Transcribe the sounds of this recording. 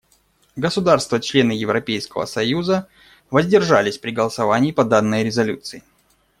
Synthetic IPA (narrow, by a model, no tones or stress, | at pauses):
ɡəsʊd̪arst̪vət͡ɕlʲe̞nɨjɪvɾɐpʲejskəvə̰sɐjuzə | vəzʲdʲɪrʐalʲɪsʲpɾʲɪɡəlˠəsɐvanʲɪːpɐd̪anːəjɾʲɪzɐlʲut̪sɨɪ